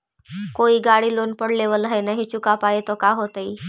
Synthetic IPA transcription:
koiːɡaɽiːlonpəɽleʋələɦenaɦit͡ɕukapajet̪ɔkaɦot̪əi

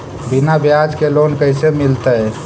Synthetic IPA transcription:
bɪnabjad͡ʒkeloːnkəɪsemɪlt̪aɦɛ

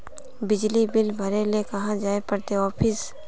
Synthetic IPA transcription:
bɪd͡ʒlibɪlbʱɐɾelekɐɦãd͡ʒaːepɐɾt̪eɔːpʰɪs

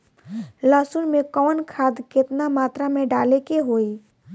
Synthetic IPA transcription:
laːsʊnmẽkɔːnkʰaːd̪kɪt̪namaːt̪ɾamẽɖaːlekeɦoːi

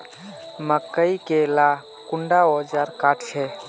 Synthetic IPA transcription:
məkːəikela | kʊɳɖaɔd͡ʒaɾkaːʈʰt͡ʃʰɛ

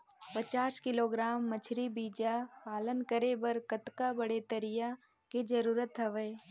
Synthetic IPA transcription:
pət͡ʃaːskɪloːɡɾaːmːɐt͡ʃʰɾibiːd͡ʒapaːlənkəɾebɐɾkət̪kabɐɽet̪əɾɪja | ked͡ʒɐɾuːɾət̪ɦɐʋəe

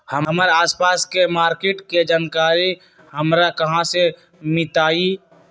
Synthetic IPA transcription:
həəmɾaːspaːskemaːɾkeːʈked͡ʒaːnkaːɾi | həmɾakəɦãse | mɪt̪aːi

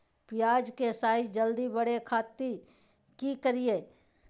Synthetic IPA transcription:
pɪjaːd͡ʒkesaːɪd͡ʒd͡ʒəld̪ibəɽekʰaːt̪ːi | kikəɾijeː

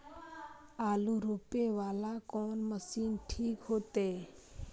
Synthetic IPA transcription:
aːluɾupeʋaːlakɔːnməsiːnʈʰiːkɦoːt̪eː

